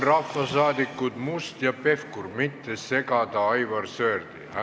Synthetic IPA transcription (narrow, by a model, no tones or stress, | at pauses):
rɑfːɑsɑːd̪ikːˑud̪must̪jɑpe̞fkurmit̪ːese̞ɡɑd̪̥ɑɑjvɑrsøːrd̪̥iæ